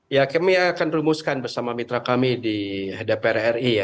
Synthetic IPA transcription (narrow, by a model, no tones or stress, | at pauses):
jakamiakanrumuskanbərsamamit̪ɾakamidiadaperɛrija